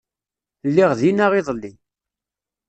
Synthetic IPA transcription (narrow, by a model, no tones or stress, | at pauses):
lːiʁðinaʁiðˤlːi